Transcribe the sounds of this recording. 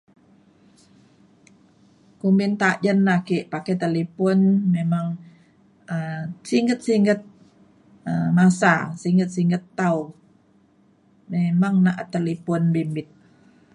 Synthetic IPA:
kumbint̪ad͡ʒənːakiʔpaket̪alipɔnmemaŋ | əmsiŋɡət̪̚siŋɡət̪̚ | əmasa̰siŋɡət̪̚siŋɡət̪ːau | memaŋnaʔt̪əlipɔnbimbɪt̪̚

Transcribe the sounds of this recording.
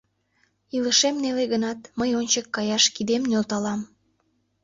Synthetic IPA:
iləʃemneleɣənɑt̪məjonʲt͡ɕəkːɑjɑʃkid̪emnolt̪ɑlɑm

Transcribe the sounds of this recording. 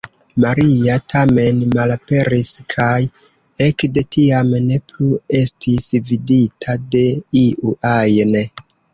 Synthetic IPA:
maɾiatʰame̞nmalape̞ɾiskʰaj | ekde̞tiamne̞plue̞stʰisviditʰade̞iʔuʔajne

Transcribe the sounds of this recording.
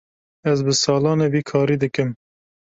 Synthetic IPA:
ɛzbɨsɑːlɑːneːviːkʰɑːɾiːd̪ɨkɨm

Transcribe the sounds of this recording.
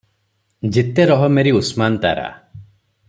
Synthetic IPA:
d͡ʒit̪eɾɔɦɔmeɾiusmant̪a̰ɾa̰

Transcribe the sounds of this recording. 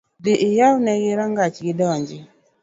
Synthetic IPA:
dɪʔɪjawnɛɡɪɾaŋɡat͡ʃɡɪdɔɲd͡ʒɪ

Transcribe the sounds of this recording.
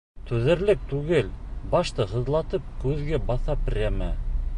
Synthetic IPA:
t̪ɵðɘ̆ɾlɘk̚t̪ʉɡɘlbɑʃt̪ɤhɤ̆ðlˠɑt̪ɤp̚kʉðɡæbɑθɑprʲemæ

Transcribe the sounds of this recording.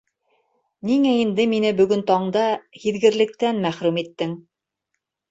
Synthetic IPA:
niŋæind̪ɘminɘbɵ̆ɡɵnt̪ɑɴd̪ɑhiðɡɘ̆ɾlɘ̆k̚t̪ænmæχɾʉmit̪ːɘŋ

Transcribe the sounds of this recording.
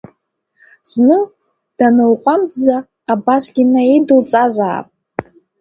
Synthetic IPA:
z̥nɨ | d̥anɨwqʷʼand͡zaː | basɡʲinaedɨlt͡sʼazaːpʼ

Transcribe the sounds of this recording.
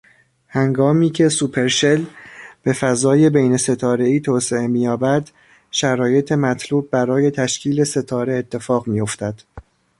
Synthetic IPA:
hæŋɡɒːmiːcʰe̞supʰe̞ɾʃe̞lb̥e̞fæzɒːje̞bejne̞se̞t̪ʰɒːɾe̞iːt̪ʰoːse̞emijɒːbæd̪̥ | ʃæɾɒːje̞t̪ʰe̞mæt̪ʰluːb̚ːæɾɒːje̞t̪ʰæʃcʰiːle̞se̞t̪ʰɒːɾe̞et̪ʰːe̞fɒːɣmijo̞ft̪æd̪̥

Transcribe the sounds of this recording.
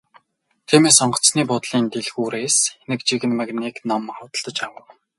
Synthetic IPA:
t̪ʰiːmeːsɔɴɢɞ̆t͡sniːpʊt̪ɮiːnt̪eɮɣuːɾeːsenɘ̆kt͡ɕiɣɘ̆nmaɣniːknamχʊwt̪ə̆ɮ̥t̪ɞ̆t͡ɕawə̆w

